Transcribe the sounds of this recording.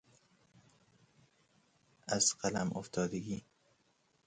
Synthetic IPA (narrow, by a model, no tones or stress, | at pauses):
ʔæz̥qælæmʔoft̪ʰɒːd̪eɡiː